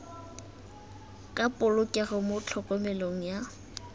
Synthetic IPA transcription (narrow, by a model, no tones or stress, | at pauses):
kʼapʼʊlʊkʼɛɣɔmʊt͡ɬʰɔkʼɔmɛloŋ̩ja